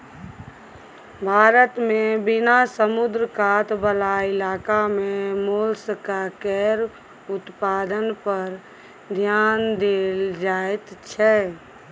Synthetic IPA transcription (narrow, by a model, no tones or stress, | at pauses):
bʱaːɾət̪mẽbɪnasəmʊd̪ɾəkaːt̪bəlaɪlaːkamẽmoːlskakɛːɾ | ʊt̪paːd̪ənpəɾ | d̪ʱjaːnd̪eld͡ʒaːet̪t͡ʃʰɛ